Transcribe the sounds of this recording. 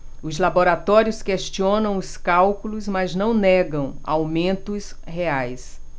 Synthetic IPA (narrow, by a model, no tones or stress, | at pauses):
ʊzlaboɾat̪ɔɾjʊskeʃt͡ʃiõnɐ̃w̃ʊskawkulʊzmaznɐ̃w̃nɛɡɐ̃w̃a̰wmẽnt̪ʊs | heajs